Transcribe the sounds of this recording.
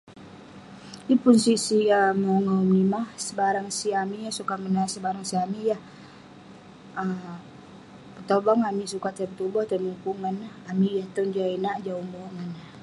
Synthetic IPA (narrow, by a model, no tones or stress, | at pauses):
ipʊnsiʔsiamauŋaumnimasəbaɾaŋsiamijahsukamənasəbaɾaŋsiamijah | ə | pət̪ɔbaŋamisukat̪əbt̪ubɔht̪ənuŋkuŋan | amijaht̪ɔnd͡ʒiainaʔd͡ʒaumɔŋana